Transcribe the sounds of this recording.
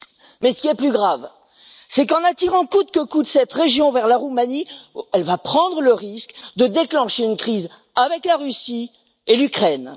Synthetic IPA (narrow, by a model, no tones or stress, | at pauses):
mɛsə̥kʲiɛplyɡʁav | sɛkɑ̃nat̪iʁɑ̃kud̪̚kəkud̪əsɛt̪ʁeʒjɔ̃vɛʁlaʁumaniɛlvapχɑ̃d̪ʁələʁiskd̪əd̪eklɑ̃ʃeynkχiz | avɛklaʁysi | elykχɛn